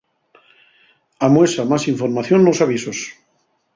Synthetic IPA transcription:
amwesamasiɱfoɾmaθjonːosaβ̞isos

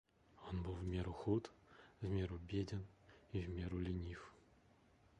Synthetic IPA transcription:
onbɨlvʲmʲeɾuxut̪vʲmʲeɾubʲedʲɪnivʲmʲeɾulʲɪnʲif

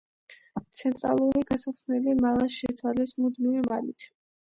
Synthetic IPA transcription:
t̪sʰɛnt̪ʼɾa̰lˠuɾiɡasaχsnɛlimalˠaʃɛt̪sʰwalɛsmud̪mivɛmalit̪ʰ

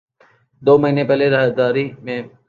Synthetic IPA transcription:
d̪oːməɦiːnepɛɦleɾəɦəd̪aːɾimẽː

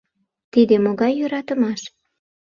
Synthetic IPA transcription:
t̪id̪emoɣɑjːøɾɑt̪ə̆mɑʃ

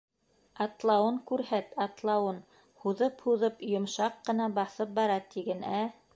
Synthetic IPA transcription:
ɑt̪lˠɑwɤŋkʉɾhæt̪ɑt̪lˠɑwɤn | huðɤphuðɤpjŏmʃɑqːɤ̆nɑbɑθɤp̚bɑɾɑt̪iɡɘnæ

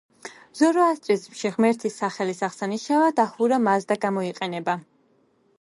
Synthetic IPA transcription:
z̥ɔɾɔast̪ʼismʃiʁmɛɾt̪ʰisːaχɛlisaʁsaniʃavad̪aχuɾamazd̪aɡamɔiqʼɛnɛba

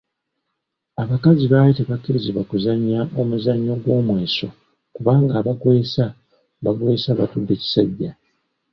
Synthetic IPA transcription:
aβakaziβaːjiteβakːiɾiziβakuzaɲːaʔo̞muzaɲːo̞ɡwo̞ːmwe̞ːso̞̰ | kuβaːŋɡaːβakwe̞ːsa | βaɡwe̞ːsaβatudːe̞ci̥saɟːa

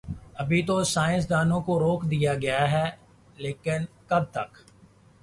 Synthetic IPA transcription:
əbʱit̪osaːɪ̃ns̬d̪aːnõːkoɾoːkd̪ɪjaːɡɐjaːɦɛː | leːkɪn | kəb̚t̪ɐk

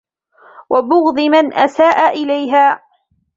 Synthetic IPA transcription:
wabʊɣd̪ˤɨmanʔasaːʔaʔɪlajɦaː

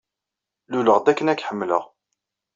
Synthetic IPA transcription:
luləʁd̪ækːənækːħəmːlə̰ʁ

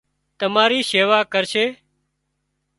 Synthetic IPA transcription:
t̪əmaːɾiːseːʋaːkəɾʃeː

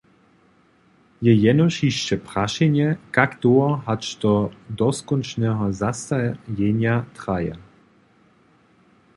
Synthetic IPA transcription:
jɛjɛnɔʃiʃt͡ʃɛpʁaʃɛnjɛkakd̪oɔɦat͡ʃt̪ɔd̪ɔskɔnt͡ʃnɛɦɔzast̪ajɛɲjat̪ʁ̥aja̰

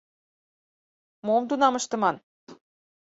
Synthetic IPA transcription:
momd̪unɑməʃt̪ɤ̆mɑn

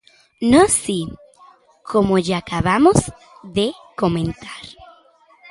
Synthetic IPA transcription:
nosi | kʰo̞moʝaːkaβamo̞z̥ | ðe̞ko̞mẽ̞nt̪aɾ

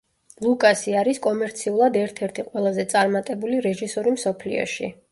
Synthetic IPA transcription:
lˠukʼasiaɾiskʼɔmɛɾt̪sʰiulˠad̪ɛɾt̪ʰɛɾt̪ʰiqʼwɛlˠazɛt̪sʼaɾmat̪ʼɛbuliɾɛʒisɔɾimsɔpʰlḭɔ̰ʃḭ

